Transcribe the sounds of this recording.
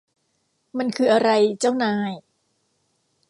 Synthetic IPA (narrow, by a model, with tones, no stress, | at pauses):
ma˧nkʰɯː˧ʔa˧ɾa˧jt͡ɕa˥˩wnaː˧j